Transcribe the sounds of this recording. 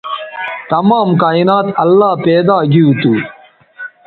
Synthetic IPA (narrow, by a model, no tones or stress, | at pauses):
t̪ɐmaːmkaːinaːt̪ɐlːaːpeːd̪aːɡiut̪uː